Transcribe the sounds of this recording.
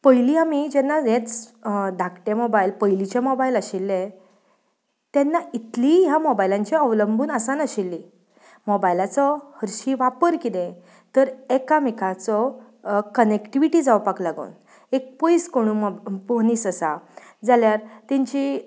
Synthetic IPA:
pəjliɦamid͡ʑɛnːaẽt͡sd̪ʱakʰʈemobajilpəjlit͡ɕemɔbailaɕilːe | t̪jɛnːait̪liɦjamobajlãɲt͡ɕeəʋləmbuːnəsanəɕilːi | mɔbajilat͡sɔhəɾɕiːʋapəɾkid̪ẽ | t̪əɾekamikat͡sɔ | kənekʈiʋiʈid͡zawpaklaɡṵːn | ek̚pojskoɽ̃upoɦniːsəsa̰ | d͡zaljaɾt̪ɛ̃ɲt͡ɕi

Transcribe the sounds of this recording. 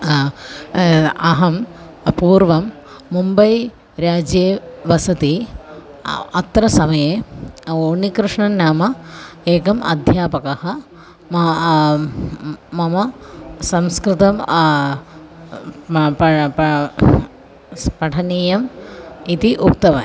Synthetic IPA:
ɐɦɐm | puːɾʋɐmː | umbɐj | ɾjaːd͡ʒjeːʋɐsɐt̪i | ɐt̪ɾɐsɐmɐjeːoːnikɾɨʂɳɐnaːmɐeːkɐmɐ̰d̪ʱjaːpɐkɐhɐ | m | mɐmɐsɐmskɾɪt̪ɐm | p | pɐʈʰɐniːjɐmit̪iʔup̚t̪ɐʋɐ̰

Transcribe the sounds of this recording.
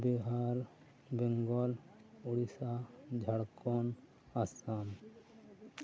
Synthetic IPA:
biɦaɾ | bɛŋɡɔl | uɽisad͡ʒʱaɽkɔn | asan

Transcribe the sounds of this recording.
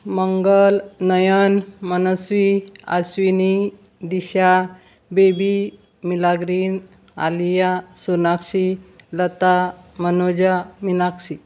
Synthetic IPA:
məŋɡəlnəjənmənəsʋia̰sʋini | d̪iɕa | bebi | milaɡɾiːn | a̰lijasunakɕilət̪amənod͡ʑaminakɕi

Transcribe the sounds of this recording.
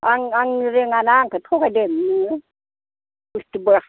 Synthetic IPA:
ʔaŋaŋɾiŋanaŋkʰat̪ʰokadɯmɯ | ust̪ibɯ

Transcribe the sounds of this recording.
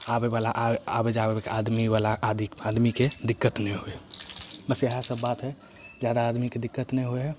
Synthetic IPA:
abebalaʔabəd͡ʒabebekead̪miʋalaʔd̪iad̪miked̪ɪkːət̪nɛɦoebəsəɦasəbːat̪ɦɛ | d͡ʒjad̪aːd̪miked̪ɪkːət̪nɛɦoeɦɛ

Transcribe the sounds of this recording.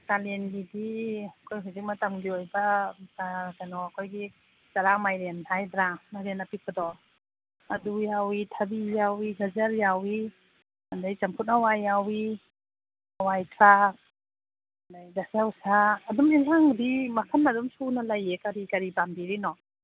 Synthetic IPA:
talenɡidiɐkʰojɦazik̚mɐtamɡiojbɐsakanɔɐkʰojɡi | zɐɾamajɾentʰajdɾanaɾenːɐpik̚ʰbɐdɔ | ɐdujawitʰɐbijawiɡɐzɐɾjawi | andajt͡ʃɐmkʰut̚nawajːawi | ɐwajtʰɾak̚ | ndajdasawsaːdumilaŋdimɐkʰanadumsunɐlajːekɐɾikɐɾibambiɾinɔ

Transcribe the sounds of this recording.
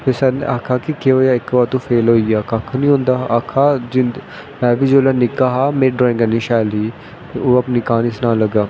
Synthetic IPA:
pesɛːnḛaːkʰaːkɪkeoːjaːɪkbaːɾt̪ũːpʰeːlɦoːijaːkaːkʰnĩːɦõːnd̪aːaːkʰaːd͡ʒɪn | mɛ̃ːʋiːd͡ʒoːlaːnɪkaːɦaːmẽːɖɾɔːẽŋɡaːniːʃɛːliː | eoːapniːkaːnɪsnaːləɡaː

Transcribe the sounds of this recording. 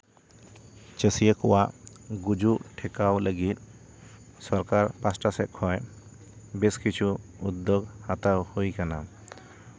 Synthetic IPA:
t͡ʃəsijəkɔwaʔɡud͡ʒuʔʈʰɛkawləɡit̪̚ | sɔɾkaɾpasʈasɛt̪̚kʰɔj | bɛskit͡ʃʰuud̪ːɔɡhat̪awhujkana

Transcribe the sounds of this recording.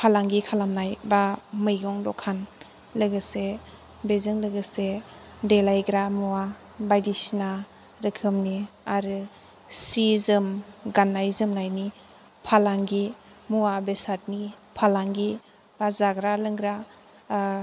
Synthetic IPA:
pʰalaŋɡikʰalamnajbamɯjɡɔŋdɔkʰan | lɯɡɯse | bezɯŋlɯɡɯse | delajɡɾamuwa | bajdisna | ɾɯkʰɯmniaɾɯ | sizɯmɡanːajzɯmnajni | pʰalaŋɡi | muwabesat̚ni | pʰalaŋɡi | b̥azaɡɾalɯŋɡɾa

